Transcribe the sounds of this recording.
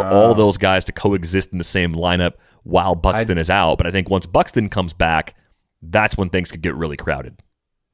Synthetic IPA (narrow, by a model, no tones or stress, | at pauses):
ʔɔlˠðoʊzɡaɪz̥tʰɨ̥kʰoʊɨɡzɪstn̩ðɨsẽɪ̃mlãɪ̃ñʌp̚ | waɪlˠbʌkstɨ̃nɨzaʊt̚b̥ʌɾaɪθɪ̃ŋkwʌ̃nsb̥ʌkstɨ̃nkʰʌ̃mzbæk | ðætswə̃nθɪ̃ŋz̥kʰɨd̚ɡɛʔ̚ɹɪlˠikʰɹ̥a̰ʊɾɨd̥̚